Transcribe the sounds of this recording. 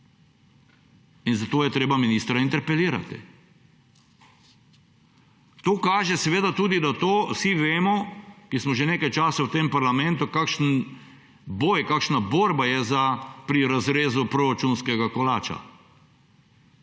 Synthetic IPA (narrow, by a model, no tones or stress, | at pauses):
inzat̪oːjɛt̪ɾeːbaminiːst̪ɾaint̪ɛɾpɛliːɾa̰t̪ḭ | t̪oːkaːʒɛsɛʋeːd̪at̪uːd̪id̪at̪oːsiʋeːmɔkismɔʒeneːkajt͡ʃaːsawt̪eːmpaɾlamɛ̃nt̪ukakʃn | boːjkaːkʃnaboːɾbajɛzapɾiɾazɾeːzupɾoɾat͡ʃuːnskɛɡakɔlaːt͡ʃa̰